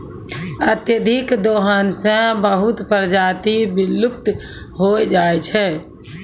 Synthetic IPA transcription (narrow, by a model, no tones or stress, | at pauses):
ət̪jəd̪ʱikd̪oɦansə̃bəɦut̪pəɾd͡ʒat̪ibilːup̚t̪ | ɦojd͡ʒajt͡ʃʰɛ